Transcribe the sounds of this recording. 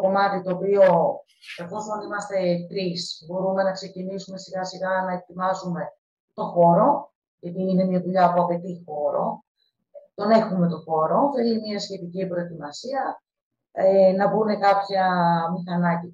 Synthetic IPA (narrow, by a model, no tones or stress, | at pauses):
ko̞mɐt̪it̪o̞ːpio̞ | kɐfo̞sonimɐst̪e̞t̪ɾisbo̞ɾume̞nɐkse̞cinisume̞siɣɐsiɣɐnɐet̪imɐzume̞ | t̪o̞xo̞ɾo̞ | ʝɐt̪iːne̞mɲɐðuʎɐːpuɐpe̞t̪ixo̞ɾo̞ | t̪o̞ne̞xume̞t̪o̞xo̞ɾoθelimiɐsçe̞t̪icibɾo̞e̞t̪imɐsiɐ | enɐbune̞kɐpçɐmixɐnɐci